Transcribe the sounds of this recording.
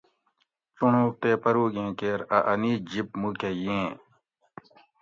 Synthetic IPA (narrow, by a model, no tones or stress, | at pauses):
t͡suɳũːt̪eːpɐɾuːɡẽːkeːɾɐʔɐniːd͡ʑip̚mukejẽː